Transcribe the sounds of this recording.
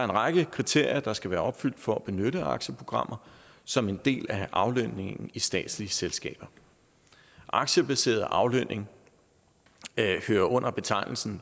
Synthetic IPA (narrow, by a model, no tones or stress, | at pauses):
dɑe̝nʁɑɡ̥əkʰʁit͡sʰe̝ɐ̰jɐd̥ɑ̈sɡ̥æʋæːɐɒ̽b̥fyl̰d̥fɒ̽æb̥e̝nøɾəɑ̈ɡ̥ɕəpʰʁo̝ɡ̥ʁɑ̈mʔɐsɒ̽me̝nd̥e̝̰ːlæʔɑ̈ʊløne̝ŋn̩isd̥ɛ̰ːd̥sliəselsɡ̥ɛ̰ːb̥ɐ | ʔɑ̈ɡ̥ɕəb̥æse̝̰ːɐð̩ˠʔɑ̈ʊløne̝ŋ | høːɐʔɔ̽n̰ɐb̥e̝t͡sʰɑ̈ɪ̰nl̩sn̩